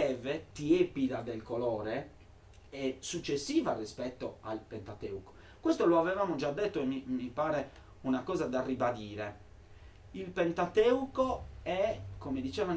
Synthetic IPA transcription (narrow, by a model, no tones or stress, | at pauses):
ɛvet̪ieːpiðad̪elkolɔːɾe | ɛsut͡ʃːesːiːvarispɛt̪ːoa̰lpent̪at̪ḛːuko̥ | kwɛst̪oloavɛvaːmod͡ʒad̪ːet̪ːoemimipaːɾe | unakɔːzad̪arːibad̪iːɾe | ilpent̪at̪ɛukoɛkomed̪it͡ʃɛːvan